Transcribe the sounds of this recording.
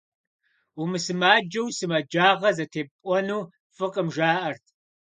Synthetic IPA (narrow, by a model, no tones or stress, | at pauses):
umɨsɨmaːd͡ʒɐwsɨmɐd͡ʒaːʁɐzɐtʰeːpʼʷɔnuː | fɨqʼəmʒaːʔɐrtʰ